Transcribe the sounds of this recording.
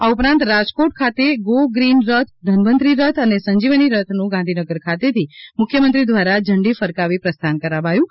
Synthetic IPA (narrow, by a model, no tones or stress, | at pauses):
aupɾãnt̪ɾad͡ʒkoʈ̚kʰat̪eɡoɡɾinɾət̪ʰd̪ʱənmənt̪ɾiɾət̪ʰənesəɲd͡ʒiʋəniɾət̪ʰnũɡãnd̪ʱinəɡəɾkʰat̪et̪ʰimʊkʰjəmənt̪ɾid̪ʋaɾad͡ʒʱəɳɖifəɾkaʋipɾəst̪ʰankəɾabajũ